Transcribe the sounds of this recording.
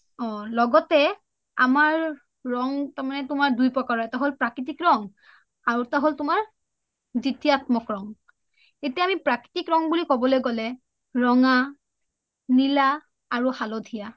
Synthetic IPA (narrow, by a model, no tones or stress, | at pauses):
ɔ̃lɔɡɔtɛ | amaɹː | ɔŋtaɹmanɛtʊmaɹdujpɹɔkaɹɔɛtaɦolpɹakɹitikɹɔŋ | aɹutaɦoltʊmaɹ | zitiatmɔkɹɔŋ | etijaamipɹakɹi̥tikɹɔŋbulikɔbɔlojɡɔlɛ | ɹɔŋa | nilaː | ɹuhalodʱija